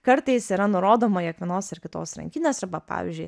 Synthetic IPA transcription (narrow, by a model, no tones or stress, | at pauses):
kɐɾt̪ɛɪsiɾɐnʊɾoːd̪oːmojɛkʋʲɛnoːsɪɾkʲɪt̪o̰ːsɾɐ̰ŋʲkʲiːnʲeːsɐɾbɐpɑ̰ːʋʲḭzʲd͡ʒʲʊɪ